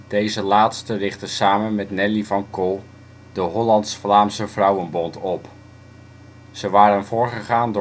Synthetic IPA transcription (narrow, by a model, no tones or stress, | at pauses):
d̥ejzəlaːtstərɪχtəsaːmənmɛtnɛlivɑnko | dəɦɔlɑntsflaːmsəvrʌwənbɔntɔp | z̥əʋaːɾənvʊːɹχəχaːnd